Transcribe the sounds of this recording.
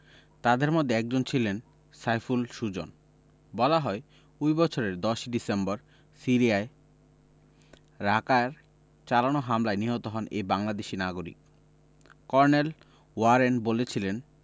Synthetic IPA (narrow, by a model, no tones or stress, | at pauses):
t̪ad̪eɾmɔd̪ʱeɛk̚d͡ʑont͡ɕʰilen | sajfulʃud͡ʑo̰n | bɔlaɦɔe | kujbɔt͡ɕʰoɾeɾd̪ɔʃɖisembɔɾ | siɾiae | ɾakaeɾ | t͡ɕalanoɦamlaeniɦɔt̪oɦɔnebaŋlad̪eʃinaɡoɾḭk | kɔɾnel | waɾenbolet͡ɕʰilen